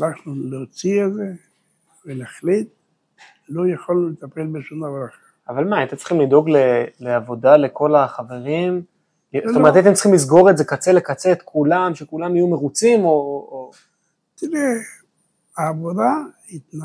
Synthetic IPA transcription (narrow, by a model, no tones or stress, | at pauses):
laχnuleot͡sieze | velaχlit̪ | lojaχolulet̪apelbeʃumd̪avaɾaχ | avalmaat̪et͡sl̥χimlid̪o̞ɡle̞leavo̞dale̞ko̞laχave̞ʁim | zotoet̪at̪emt͡ssiχimlizɡo̞ʁetze̞kat͡se̞le̞kat͡set̪kʰulamʃekulamajume̞ʁut͡simo̞ | t̪iʁe | aːvod̪a | it̪na